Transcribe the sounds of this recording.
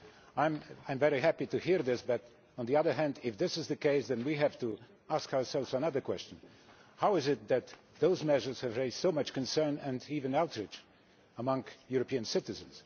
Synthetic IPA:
ãɪ̃mãɪ̃ɱvɛɹiɦæpituhiɹðɪsbʌɾ | ə̃nðiʌðə˞ɦæ̃ndɪfðɪsɨzðɨkeɪsðɛ̃nwiɦævtu | askaʊə˞sɛlˠvzənʌðə˞kwɛst͡ʃə̃n | hawɨzɪt̪̚ðɨt̪ | ðoʊzmɛʒə˞z̥hɨvɹeɪzd̥soʊmʌt͡ʃkə̃nsɜ̃˞nɛ̃ndivɨ̃nawtʰɹɪt͡ʃ | əmʌ̃ŋkjuɹɔpiɨ̃nsɪtɨzɨ̃ns

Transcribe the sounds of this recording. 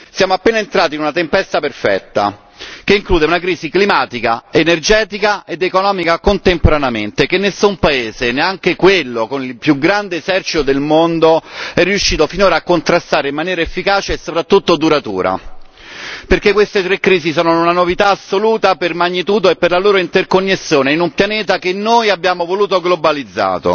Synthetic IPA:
sjaːmoapːeːnaent̪ɾaːt̪inunat̪empɛst̪aperfɛ̰t̪ːa̰ | k̟eiŋkluːd̪eunakɾiːziklimaːt̪ika̰enerd͡ʒɛːt̪ikaed̪ekonɔːmikakont̪empoɾaneament̪ekenːesːumpaeːzeneaŋkekwelːokonilpjuɡɾand̪eːsɛrt͡ʃit̪od̪elmond̪oɛrːiuʃːiːt̪ofinoːɾaːkːont̪ɾast̪aːɾeimːanjɛːɾaefːikaːt͡ʃeːsːopɾat̪ːut̪ːod̪uɾat̪ṵːɾa̰ | perkekːwest̪et̪ɾekːɾiːzisɔːnounanovit̪aːsːoluːt̪apermaɲːit̪uːd̪oepːerlaloːɾoint̪erkonːesːjoːneinumpjanɛːt̪̬akenːojabjaːmovoluːt̪oɡlobalid̪zːa̰ːt̪o̰

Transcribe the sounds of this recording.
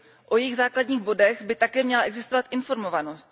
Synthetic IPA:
ʔo̞jɪɣzaːkladɲiːɣbo̞dɛɣbɪt̪akɛːmɲɛlaɛɡzɪst̪ovat̪ʔɪnfo̞ɾmo̞vanost̪

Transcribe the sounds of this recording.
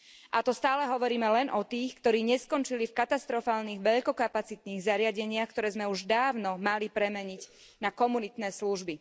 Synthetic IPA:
ʔat̪ɔst̪aːlɛɦɔʋɔɾiːmɛlɛnʔɔt̪iːxkt̪ɔɾiːɲɛskɔnt͡ʃilifkat̪ast̪ɾɔfaːlniːɣʋɛʎkɔkapat͡sit̪niːɣzaɾɪaɟɛɲɪaxkt̪ɔɾɛːzmɛuʒd̪aːʊnɔmalipɾɛmɛɲiɟ | nakɔmunit̪nɛːsluʒbi

